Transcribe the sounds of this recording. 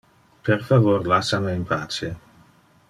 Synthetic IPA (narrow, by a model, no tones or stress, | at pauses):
peɾfavoɾlasameimpʰaːt͡sje